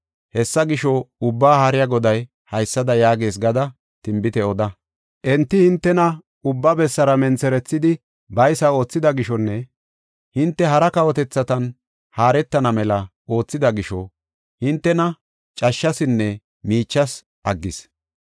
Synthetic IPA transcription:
hɛsːɐɡɪʃɔʊbːaːhaːɾɪjɐɡɔd̪ɐj | hɐjsːɐd̪ɐjaːɡe̞ːs̬ɡɐd̪ɐ | t̪ɪmbɪt̪ɛɔd̪ɐ | ʔɛnt̪ːɪhɪnt̪ːɛnɐ | ʊbːɐbɛsːɐɾɐmɛnt͡sɛɾɛt͡sːɪd̪ɪ | bɐjsɐo̞ːt͡sːɪd̪ɐɡɪʃɔnːɛ | hɪnt̪ːɛɦɐɾɐkɐwɔt̪ɛt͡sːɐt̪ɐn | haːɾɛt̪ːɐnɐmɛlɐ | o̞ːt͡sːɪd̪ɐɡɪʃɔ | hɪnt̪ːɛnɐ | t͡ʃʼɐʃːɐsɪnːɛ | miːt͡ʃːɐs | ʔɐɡːɪs

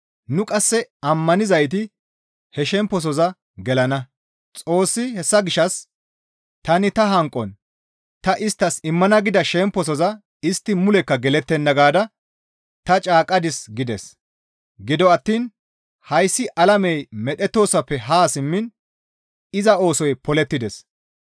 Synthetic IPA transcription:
nʊkʼɐsːɛɐmːɐnɪzɐjt̪̬ɪ | hɛʃɛmpːɔs̬ɔzɐ | ɡɛlɐnɐ | t͡sʼo̞ːsːɪhɛsːɐɡɪʃːɐs | t̪ɐnɪt̪ɐɦɐŋkʼːɔn | t̪ɐʔɪst̪ːɐsɪmːɐnɐɡɪd̪ɐʃɛmpːɔs̬ɔzɐ | ɪst̪ːɪmʊlɛkːɐɡɛlɛt̪ːɛnːɐɡaːd̪ɐ | t̪ɐt͡ʃʼaːkʼɐd̪ɪsɡɪd̪ɛs | ɡɪd̪ɔɐt̪ːiːn | hɐjsːɪʔɐlɐmɛjmɛɗɛt̪ːo̞ːsɐpːɛɦaːsɪmːɪn | ɪzɐo̞ːsɔjpɔlɛt̪ːɪd̪ɛs

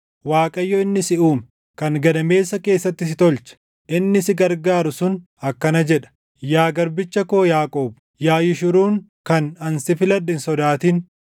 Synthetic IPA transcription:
waːkʼɐjːɔɪnːɪsɪʔuːm | kɐŋɡɐd̪ɐme̞ːsːɐke̞ːsːɐt̪ːɪsɪt̪ɔlt͡ʃɛ̥ | ʔɪnːɪsɪɡɐɾɡaːɾʊsʊn | ɐkːɐnɐd͡ʒɛᶑɐ̥ | jaːɡɐɾbɪt͡ʃːɐko̞ːjaːkʼoːb̚ | jaːjɪʃʊɾuːŋkɐnɐnsɪfɪlɐdɪnsɔd̪aːt̪iːn

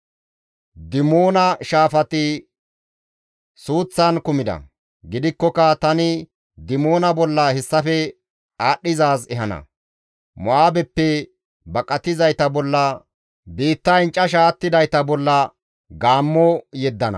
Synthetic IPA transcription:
d̪ɪmoːnɐʃaːfɐt̪ɪ | suːt͡sːɐnkʊmɪd̪ɐ̰ | ɡɪd̪ɪkːɔkɐt̪ɐnɪ | d̪ɪmoːnɐbɔlːɐhɛsːɐfɛ | aːɗːɪzaːsɛɦɐnɐ̰ | mɔaːbɛpːɛ | bɐkʼɐt̪ɪzɐjt̪ɐbɔlːɐ | biːt̪ːɐɪnt͡ʃʼːɐʃaːt̪ːɪd̪ɐjt̪ɐbɔlːɐ | ɡaːmːɔjɛd̪ːɐnɐ̰

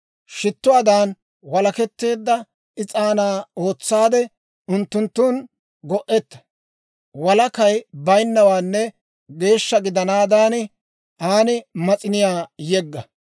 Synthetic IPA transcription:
ʃɪt̪ːʊwaːd̪aːn | wɐlɐkɛt̪ːe̞ːd̪ːɐ | ɪt͡sʼaːnaːo̞ːt͡sːaːd̪ɛ | ʊnt̪ːʊnt̪ːʊn | ɡɔʔɛt̪ːɐ̥ | wɐlɐkɐjbɐjnːɐwaːnːɛ | ɡe̞ːʃːɐɡɪd̪ɐnaːd̪aːnɪ | ʔaːnɪmɐt͡sʼɪnɪjaːjɛɡːɐ

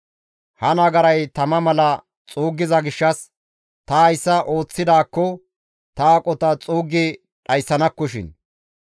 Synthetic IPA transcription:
hɐnɐɡɐɾɐjt̪ɐmɐmɐlɐ | t͡sʼuːɡːɪzɐɡɪʃːɐs | t̪ɐɐjsːɐʔo̞ːt͡sːɪd̪aːkːɔ | t̪ɐːkʼɔt̪ɐt͡sʼuːɡɪ | ɗɐjsːɐnɐkːɔʃɪ̰n

